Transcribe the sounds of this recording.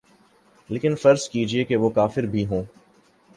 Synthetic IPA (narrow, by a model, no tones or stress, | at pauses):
leːkɪnfɐɾskiːd͡ʒiekeʋokaːfɪɾbʱiɦõː